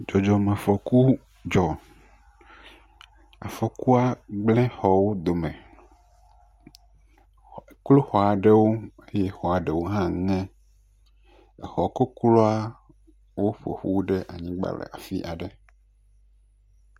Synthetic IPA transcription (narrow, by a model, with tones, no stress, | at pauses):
d͡ʒɔ˨d͡ʒɔ˨mã˨fɔ˨ku˦ | d͡ʒɔ˨ | a̰˨fɔ˨ku˦a˦ɡ͡blɛ̃˦xɔ˨wo˦d̪o˨mɛ̃˨ | klo˦xɔ˨a˨ɖɛ˦wo˦e˦jɛ˦xɔ˨a˨ɖɛ˨wo˦ɦã˦ŋɛ̃˦ | ɛ˨xɔ˨ko˦klo˦a˦ | wo˦ɸo̰˨ɸu˦wu˦ɖɛ˦ʔa˨ɲĩ˦ɡ͡ba̰˦˨lɛ̰˨a̰˨fi˦ʔa˨ɖɛ˨